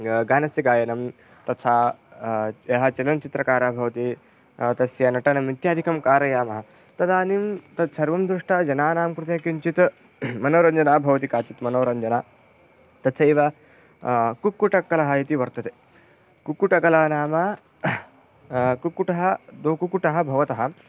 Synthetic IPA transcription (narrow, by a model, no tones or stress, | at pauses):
ɡaːnɐsjiɡaːjɐnɐm | t̪ɐt͡sʰa | jeɦat͡ʃɐlɐnt͡ʃit̪ɾɐkaːɾaːbʱɐʋt̪i | t̪ɐsjanɐʈɐnɐmit̪jaːd̪ʱikɐmkaːɾɐjaːmɐɦa | t̪ɐd̪aːnimt̪ɐt͡sʰɐɾʋɐmd̪ɾuʂʈad͡ʒɐnaːnaːmkɾut̪ɐjɐ̃kint͡ʃit̪ | mɐnoːɾɐnd͡ʒɐnaːbʱɐʋɐt̪ikaːt͡ʃit̪mɐnoːɾɐɲd͡ʒɐnaː | t̪ɐt͡sʰɐiʋa | kukːuʈɐkːɐlɐɦɐjit̪iʋɐɾt̪ɐt̪e | kukːuʈɐkɐlaːɐnaːma | kukuʈɐɦɐd̪oːkukuʈɐɦɐbʱɐʋɐt̪ɐɦɐ